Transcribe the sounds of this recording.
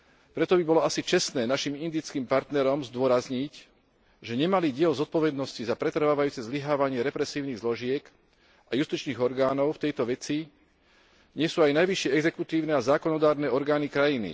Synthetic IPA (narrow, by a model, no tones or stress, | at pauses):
pɾɛt̪ɔbibɔlɔasit͡ʃɛsnɛːnaʃimind̪it͡skimpaɾt̪nɛɾɔmzd̪ʊɔɾazɲic | ʒɛɲɛmaliɟɪɛlzɔt̪̚pɔʋɛd̪nɔscizapɾɛt̪r̩ʋaːʋajuːt͡sɛzliɦaːʋaɲɪɛɾɛpɾɛsiːʊniɣzlɔʒɪɛk | ajust̪it͡ʃniːɣɔɾɡaːnɔʊft̪ɛjt̪ɔʋɛt͡si | ɲɪɛsuːajnajʋiʃɪɛɛɡzɛkut̪iːʊnɛazaːkɔnɔd̪aːɾnɛɔɾɡaːnikɾajinḭ